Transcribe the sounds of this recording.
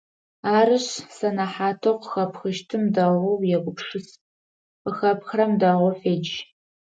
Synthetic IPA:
aːɾɨɕsɐnɐħaːtʰoqəxɐpxɨʃtʰɨmdɐʁʷɔwjɛɡʷʊpʂɨs | qəxɐpxrɐmdaʁʷɔfeːd͡ʒ

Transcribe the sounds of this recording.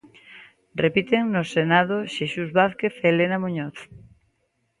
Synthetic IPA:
repit̪eŋnosenað̞oʃesuzβaθkeθelenamuɲoθ

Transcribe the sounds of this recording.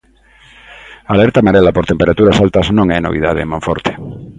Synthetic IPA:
alɛɾt̪amaɾelapoɾt̪empeɾat̪uɾasalt̪ɐznõŋɛnoβḭða̰ðḛmõɱfɔɾt̪e̥

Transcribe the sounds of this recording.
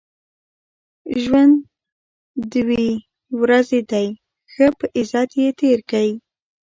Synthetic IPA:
ʒwand̪ | d̪we | wɾazed̪aj | xəpəʔɪzɑt̪jet̪eɾkawi

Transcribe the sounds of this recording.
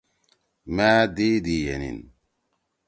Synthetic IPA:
mæːd̪iːd̪ijḛnḭn

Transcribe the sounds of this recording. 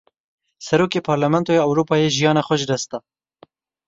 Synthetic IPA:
sɐɾoːkeːpʰɑːɾlamɛnt̪oːjeɐwɾuːpɑːjeʒijɑːnɑxʷɐʒd̪ɐst̪ɑ

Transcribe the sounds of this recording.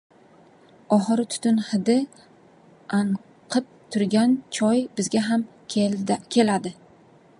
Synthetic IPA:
ɒɦɨɾɪt̪ʰʊ̥t̪ʰʊnhɪd̪ɪ | aɴ | qʰɨp̚t̪ʰʊɾɡʲant͡ʃʰɒjbɪzɡʲaɦam | kʲʰe̞lad̪ɪ

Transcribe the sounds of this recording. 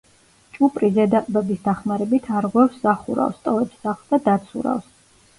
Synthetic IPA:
t͡ʃʼupʼɾizɛd̪akʼbɛbisd̪aχmaɾɛbit̪ʰaɾʁwɛfsz̥aχṵɾa̰fst̪ʼɔvɛpszaχsd̪ad̪at̪sʰṵɾa̰fs

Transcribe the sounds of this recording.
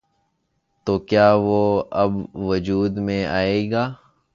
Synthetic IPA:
t̪oːkjaːʋoːəbʋəd͡ʒuːd̪mẽʔaːeːɡaː

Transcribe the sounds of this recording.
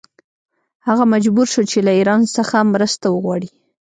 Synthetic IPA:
haɣamad͡ʒbuɾʃot͡ʃelaiɾɑnsəxamɾəst̪awəɣwɑɽi

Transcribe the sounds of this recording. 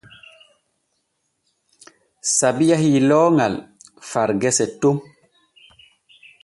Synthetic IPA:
sabijahilɔːŋal | faɾɡɛsɛtum

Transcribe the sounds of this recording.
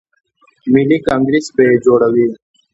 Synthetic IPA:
milikãːŋɡɾisbed͡ʒoːɽəwiː

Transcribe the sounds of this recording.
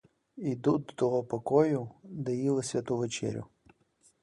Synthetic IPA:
id̪uɔt̪ɔɦɔpɔkɔjʊd̪ɛjilˠɪsʲʋʲɐt̪uʋet͡ʃɛ̰ɾʲʊ̰

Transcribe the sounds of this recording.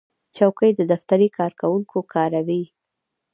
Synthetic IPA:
t͡ʃawkəjd̪əd̪aft̪aɾikʰɑɾkawuŋkʰokʰɑɾawi

